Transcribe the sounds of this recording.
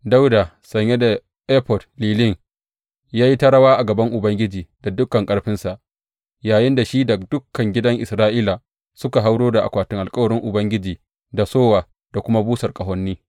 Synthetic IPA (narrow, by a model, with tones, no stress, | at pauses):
da˦wda˨ | sɐ˨ɲje˦da˨ | ʔɛː˦pɔ˨dliː˨lɪ˦˨ŋ | jaː˦ji˦tɐ˦ɽɐ˦waː˦ʔa˨ɡɐ˨bɐ˦ŋʔʊ˨bɐ˦ŋɡʲɪ˦d͡ʒiː˨da˨dʊ˦kːɐ˨ŋkʼɐ˦ɽɸɪ˦nsa˨ʔ | jaː˨jɪ˦nda˨ʃi˦da˨d̥ʊ˦kːɐ˨ŋɡʲɪ˦dɐ˦ŋʔɪ˨sɾaː˦ʔiː˦la˨ | sʊ˦ka˨ɦa˦wɽoː˦da˨ʔa̰˨kʷaː˨tɪ˦ŋʔa˨lkʼɐ˦wɐ˨ɾɪ˦ŋʔʊ˨bɐ˦ŋɡʲɪ˦d͡ʒiː˨ | da˨soː˦waː˨ | d̥a˨kʷʊ˦ma˦buː˦sɐ˨rkʼɐ˨ɦɔ˦nːiː˦